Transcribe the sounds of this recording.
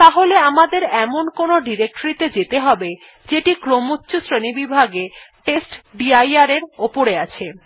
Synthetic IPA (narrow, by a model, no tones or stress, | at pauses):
t̪aɦoleamad̪eɾɛmonkonoɖiɾek̚ʈoɾit̪ed͡ʑet̪eɦɔbe | d͡ʑeʈikɾomutːɕosɾenibibʱaɡeʈesʈɖiajaɾeɾopoɾeat͡ɕʰe